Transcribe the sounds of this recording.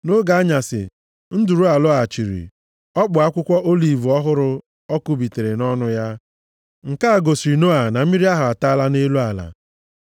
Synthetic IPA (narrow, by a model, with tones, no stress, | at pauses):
no˦ɡa˨a˦ɲa˨sɪ̰˨ | n̩˦du˨ɾu˦a˨lʊ˦a˨t͡ʃi˨ɾḭ˨ | ɔ˦k͡pʊ˨a˦kʷʊ˦kʷɔ˦ʔo˦li˨vu˨ɔ˦ɦʊ˦ɾʊ˦ | ɔ˦kʊ˦bi˨te˨ɾe˨nɔ˦nʊ˦ja˦ | ŋ̩˨ka˦a˨ɡo˨si˨no˦a˨na˨m̩˦i˦ɾi˦a˦ɦʊ˨a˨ta˦la˦ne˦lu˦a˨la̰˨